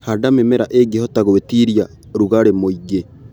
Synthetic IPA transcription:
hadamemeɾaʔeɡehɔtaɣowetiɾia | ɾuɣaɾemoiɡe

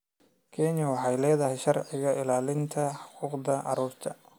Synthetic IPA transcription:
kʰɛnɪjɐwɑħɑjlɛːðɐɦɛjʃɐrʕɪɣɐʔɪlaːlɪnt̪ʰɐħʊ̥quːqðɐʔɑ̰ɾuːrt̪ʰɐ

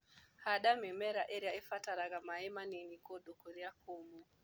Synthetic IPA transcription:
haɗamɛmɛɾaʔeɾiaefataɾaɣamaɛmaninikoɗokoɾiakomu

